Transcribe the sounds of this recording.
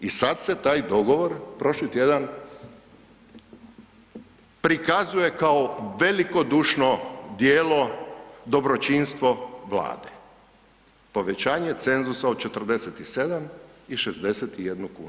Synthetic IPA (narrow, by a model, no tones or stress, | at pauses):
isad̪se̞t̪aːjd̪o̞ɡo̞ʋo̞ɾpɾo̞ʃlit̪je̞d̪an | pɾikazuje̞kaoʋe̞liko̞d̪uːʃnod̪jeːlo̞d̪o̞bɾo̞t͡ʃinst̪ʋo̞ʋla̰ːd̪e̥ | po̞ʋe̞t͡ɕaːɲe̞t̪se̞nzusao̥t͡ʃe̞t̪ərd̪e̞set̪ise̞d̪amiʃezd̪e̞set̪ije̞d̪nukṵːnu